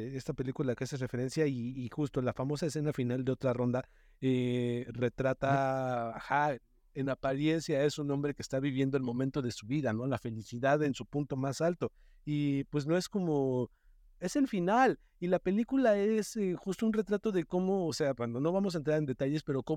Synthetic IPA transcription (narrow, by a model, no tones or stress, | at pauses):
e̞st̪ape̞likulakeasesre̞fe̞ɾe̞nsjaiːxust̪olafamo̞saes̬e̞nafinald̪e̞o̞t̪ɾaro̞nd̪a | ere̞t̪ɾat̪a | xa | enapaɾje̞nsjae̞sunõ̞mbɾe̞kest̪aβiβje̞nd̪o̞elmõ̞mẽnt̪o̞ðe̞suβiðano̞lafe̞lisiðaðe̞nsupũnt̪o̞masalt̪o̞ | ipwe̞zno̞e̞sko̞mo̞ | e̞se̞lfinal | ilape̞likulaesexust̪ounre̞t̪ɾat̪o̞ðe̞ko̞mo̞ːse̞akwand̪o̞no̞βamos̬aent̪ɾaɾe̞nd̪e̞t̪aʝe̞spe̞ɾo̞ko